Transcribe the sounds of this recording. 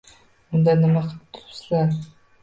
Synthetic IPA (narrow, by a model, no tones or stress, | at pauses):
ʊnd̪anɪmaqʰɨt̪ʰʊ̥slaɾ